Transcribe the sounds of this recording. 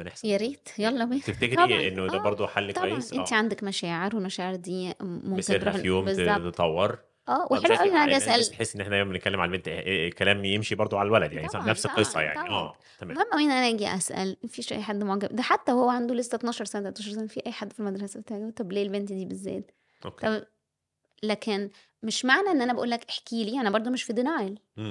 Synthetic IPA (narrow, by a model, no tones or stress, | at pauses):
meneħsjæɾiːt̪jɑlˤːɑbiːt̪eft̪ekeɾɑʔenːoæbɑɾˤd̪ˤoħalːk̪æjesʔenːt̪iʕand̪ækmæʃæːʕeɾwelmæʃæːʕeɾd̪iːmomkenɾujoːmbezɑt̪et̪t̪ˤɑwːeɾˤ | ʔæːwʔeħeluʔæwiʔænʔæiʔæsʔælħesːʔenːʔeħnʔæjmːæmbenet̪̚kælːemʕa̰lbent̪kælæːmjemʃibɑɾˤd̪ˤoʕalælwælæd̪jaʕnisnæfseqqːesˤːɑ̰ja̰ʕnɑiʔæ̰ː | t̪æmæːmæmʔæwiːʔnʔænææːɡiʔæ̰sʔæ̰lmæfiːʃʔæ̰jːħad̪ːmoʕɡæbd̪æħat̪ːæhowːæʕand̪olest̪æt̪nɑːʃɑɾˤsænæt̪t̪nɑːʃɑɾˤsænæfiːʔæjːħad̪ːfilmæd̪ɾˤɑsæbet̪aːʕit̪ːˤɑbleːlbent̪d̪iːbezːḛːt̪ | ʔok̪ː | læːkʰen | meʃmaʕnæʔenːʔænæbæʔṵːlːækʔeħkiːliːænæbɑɾˤd̪ˤomeʃfid̪enæjl